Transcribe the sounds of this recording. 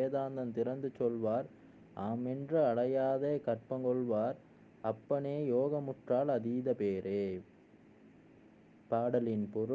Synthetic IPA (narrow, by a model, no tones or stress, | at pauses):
eːðaːnd̪ɐnt̪ɪɾɐnd̪ɯt͡ʃːɔlʋaːɾ | ʔaːmɛndrɯɐɽɐjaːðeːkɐʈ̚pɐŋɡɔɭʋaːɾ | ɐpːɐɳeːjoːɣɐmʊʈraːlɐðiːðɐpeːɾeː | paːɽɐlɪnpɔɾ